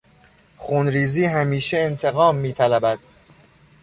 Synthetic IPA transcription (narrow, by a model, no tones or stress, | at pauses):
xunɾiːziːɦæmiːʃeent̪ʰe̞ɣɒːmːiːt̪ʰælæbæd̪̥